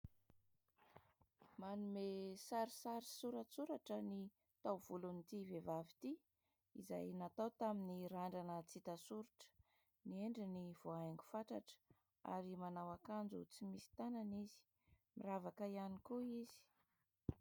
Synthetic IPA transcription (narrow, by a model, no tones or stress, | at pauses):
manumesaɾisaɾisuɾət͡suɾaʈ͡ʂəni | t̪awv̥ulunit̪ivevavit̪i | ḭza̰jnat̪awt̪aminiɾaɳɖ͡ʐanət͡sit̪asuɾiʈ͡ʂə̥ | nieɳɖ͡ʐiniv̥oajŋɡu̥faʈ͡ʂaʈ͡ʂə̥ | a̰ɾimanawakand͡zut͡simisi̥t̪ananizi̥ | miravakəianikuizi̥